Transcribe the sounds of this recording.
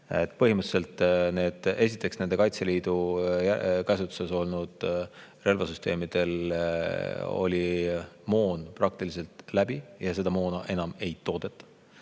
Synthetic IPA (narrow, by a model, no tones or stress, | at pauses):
e̞t̪ːˑpɤ̞ɦimɨt̪se̞lt̪ˑne̞ːd̪̥e̞s̬it̪ːˑe̞ksne̞nd̪e̞kɑjt̪se̞liːd̪̥ujækæs̬ut̪ːˑu̥se̞so̞lnud̪̥re̞lvɑsyst̪e̞̰ːmid̪̥e̞l | o̞̰lʲimo̞ːnpɾrɑk̚t̪ilise̞lt̪læb̥ijɑse̞d̪̥ɑmo̞ːnɑʔe̞nɑme̞jt̪o̞ːd̪̥e̞t̪ːˑɑ̥